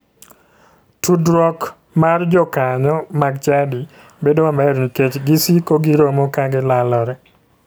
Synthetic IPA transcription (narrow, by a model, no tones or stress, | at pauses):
tudɾɔk | mard͡ʒɔkaɲɔmaɡt͡ʃadi | bedoamɛɾniket͡ʃɡisikoɡiɾomɔkaɡɪlalɔɾɛ